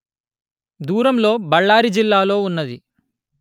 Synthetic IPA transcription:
d̪uːɾɐmlo̞ːbɐɭːaːɾid͡ʒilːaːlo̞ːunːɐd̪i

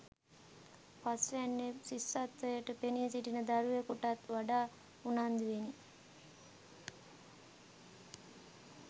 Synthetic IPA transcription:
pasʋænːesisːat̪ːəjəʈəpeniesiʈinəd̪aɾujəkuʈat̪ʋaɖaː | unand̪uʋeni

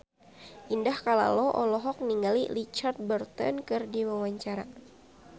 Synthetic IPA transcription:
ʔindahkala̰lɔʔɔlɔɦɔk̚niŋɡalilit͡ʃart̪̚bərt̪ɔ̰nkɨrdiwawaɲt͡ʃaɾa

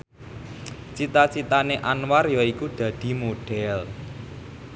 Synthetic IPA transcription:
t͡ʃit̪at͡ʃit̪aneʔanwarjɔikud̪̥ä̤d̪̥i̤moɖ̥ɛl

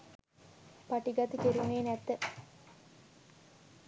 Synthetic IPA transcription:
paʈiɡɐt̪əkeɾuneːnæt̪ːə

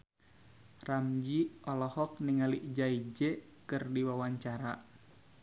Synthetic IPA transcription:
ramd͡ʒiɔlɔhɔk̚niŋaliʔd͡ʒaid͡ʒɛ | kɨrdiwawaɲt͡ʃaɾa̰

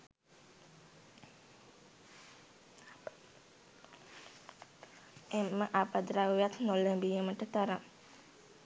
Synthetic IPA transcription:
emːəʔapad̪ɾawjat̪nolembijəməʈət̪aɾa

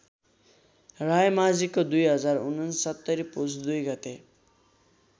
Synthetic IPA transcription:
ɾajmazikːod̪ujɦʌzaɾunansɔt̪ːaɾipusd̪ujɡat̪e

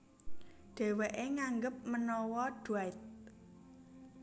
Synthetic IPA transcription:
ɖ̥ɛ̤weʔeŋaŋɡəp̚mənɔwɔɖ̥uaɪt̪̚

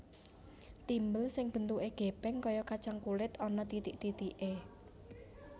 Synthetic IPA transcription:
t̪imbəlsɪŋb̥ə̤nt̪uʔeɡ̥e̤pɛŋkɔjɔkat͡ʃaŋkulɪt̪ɔnɔt̪it̪iʔt̪it̪iʔe

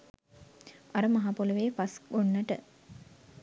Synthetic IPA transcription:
aɾəmɐɦapuləʋeːpaskunːəʈə

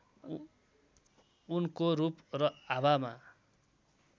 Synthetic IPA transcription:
unkoɾuprʌabama̰

